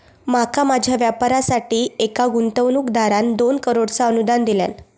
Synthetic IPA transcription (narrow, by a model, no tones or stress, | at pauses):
makamad͡ʑʱjaʋjapaɾasaʈiːekaɡunt̪əʋnuːkd̪aɾand̪onkəɾoɽt͡saənud̪and̪ilja̰n